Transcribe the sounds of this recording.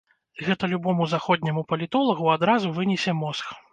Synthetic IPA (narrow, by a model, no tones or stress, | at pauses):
ɣɛt̪ɐlʲubɔmuzaxɔd̪ʲnʲɛmupɐlʲit̪ɔlˠɐɣuad̪ɾazuvɨnʲɛsʲɛmɔsx